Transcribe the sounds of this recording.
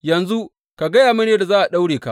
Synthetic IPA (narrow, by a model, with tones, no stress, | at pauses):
jɐ˨nzu˦ | ka˨ɡɐ˦jaː˨ma˦neː˦da˨zaː˦ʔa˨ɗa˦wɽeː˨ka˦ʔ